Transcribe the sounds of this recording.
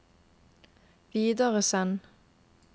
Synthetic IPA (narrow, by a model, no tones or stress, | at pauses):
ʋiːd̪əʁəsɛn